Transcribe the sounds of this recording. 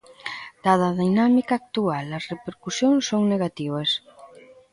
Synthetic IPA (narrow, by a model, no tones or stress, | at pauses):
d̪̥aðɐðinamikaːk̚t̪ualɐsrepeɾkusjoŋsoŋneɣat̪iβ̞ɐs